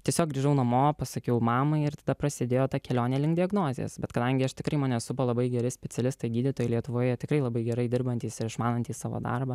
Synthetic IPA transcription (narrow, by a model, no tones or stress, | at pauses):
t̪ʲiɛsʲoːk̚ɡɾʲiːʒɐʊnɐmoːpɐsɐkʲɛʊmɑːmɐɪɪɾt̪ɐd̪ɐpɾɐsʲɪd̪ʲeːjoːt̪ɑkʲɛlʲoːnʲɛːlʲɪŋk̚d̪ʲɪɐɡnoːzʲḛjɛ̰sbʲɛt̪kɐd̪ɐŋʲɡʲɪɐʃt̪ʲɪkɾɐɪmɐːnʲɛsʊpoːlˠɐbɐɪɡʲɛɾʲɪsʲpʲɛtt͡s̪ʲɛlʲɪst̪ɐɪɡʲiːd̪ʲɪt̪oːjɛɪlʲiɛt̪ʊʋoːjɛt̪ʲɪkɾɐɪlˠɐbɐɪɡʲɛɾɐɪd̪ʲɪɾbɐnʲt̪ʲiːsɪɾɪʃmɑːnɐnʲt̪ʲiːssɑːʋo̰ːd̪ɑ̰rbɐ